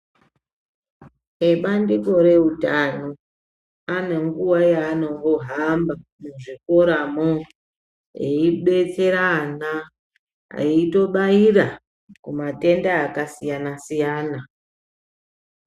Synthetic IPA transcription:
eɓandiko̞ɾe̞utano | ane̞ŋɡuwajaːno̞ŋɡo̞ɦambamuʐikoɾamo | jeiɓe̞t͡se̞ɾana | a̰ito̞ɓaiɾa | kumate̞ndaːkasijanasijaːna

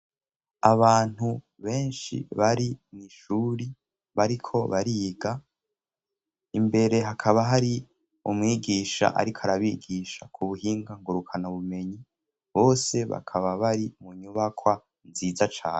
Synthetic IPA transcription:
aβaːn̥hu | βe̞ːnʃḭβaɾiniʃuːɾi | βaɾikʰo̞βaɾiːɡa | imbe̞ɾe̞ɦakʰaβaɦaɾi | umŋiːɡiːʃa̰ʔa̰ɾikʰoaɾaβiɡiːʃakʰuβuhiːŋɡaŋɡuɾukʰanaβume̞ɲi | βo̞ːse̞βa̰kʰaβaβaɾimuɲuβakʰwa | nziːzat͡ʃa̰ːne

